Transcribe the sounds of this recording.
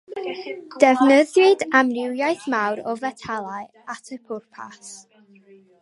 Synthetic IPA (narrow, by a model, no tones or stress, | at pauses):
d̥ɛvnəðjɪdamnɪwjajθmawɾɔvɛtʰalˠaɨ | atʰəpʰʊrpʰa̰s